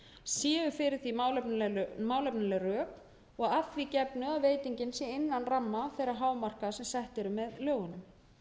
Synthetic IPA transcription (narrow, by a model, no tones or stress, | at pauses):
sjɛːʏfɪɾɪɾ̥θilp̪maːwlɛpnalɛrœːk | ɔɣafvicɛpnʏaðveːjt̪iɲcɪnsjɛejnːanramːaθɛːɾaɦaːwmar̥kasɛmsɛht̪ɛɾʏmɛðlœːɣʏnʏm